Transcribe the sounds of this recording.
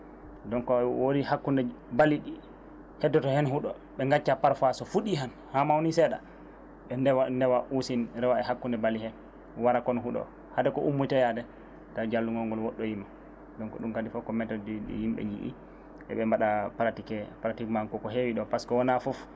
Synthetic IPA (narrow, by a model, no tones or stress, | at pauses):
dɔnkɔwoɾihakːundɛbalːiɗi | hɛdːɔtɔhɛnhuɗɔ̰ | ɓɛŋɡat͡ʃːapaɾfasɔfuɗiɦan | hamawnisɛɗa̰ | ɓɛndɛwandɛwaʔusinɾɛwaɛɦakːundɛbalihɛ | waɾakɔnɦuɗɔ̰ | hadɛkɔʔumːutajadɛ | taɾd͡ʒalːuŋɡɔŋɡɔlwɔɗːɔjimːa | dɔnkɔ̰ɗumkadifɔkɔmɛtɔdidḭjimɓɛ̰ɲd͡ʒḭʔḭ | ʔɛ̰ɓɛmbaɗapɾatikɛpɾatikmaŋkɔkɔɦewiɗɔpaskɔwɔnafɔf